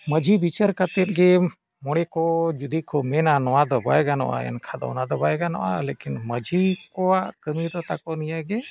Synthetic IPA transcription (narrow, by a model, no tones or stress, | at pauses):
məd͡ʒʱibit͡ʃəɾkat̪ɛt̪̚ɡɛ | mɔɽ̃ɛkɔd͡ʒud̪ikʰɔmɛnanɔwad̪ɔba̰jɡanɔ̰ʔa̰ɛ̰nkʰad̪ɔ̰nad̪ɔbajɡanɔ̰ʔa̰lekinməd͡ʒʱikɔwaʔkəmid̪ɔt̪akɔnijaɡɛ